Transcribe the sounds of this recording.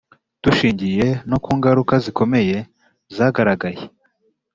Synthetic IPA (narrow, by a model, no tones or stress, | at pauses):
tuʃiːɲɟije̞no̞kuːŋɡaɾukaziko̞me̞je̞ | zaɡaɾaɡaje